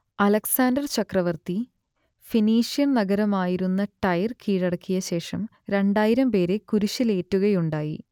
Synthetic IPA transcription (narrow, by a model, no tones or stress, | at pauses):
ɐlɐksaːndɐrt͡ɕɐkrɐʋɐrt̪i | finiːʂijɐnnɐɣɐɾɐmaːjiɾunːɐʈɐjrkiːɽɐɽɐkːijɐɕe̞ːʂɐm | ɾe̞ɳɖaːjiɾɐmpe̞ːɾekuɾuɕile̞ːtːuɣɐjuɳɖaːjḭ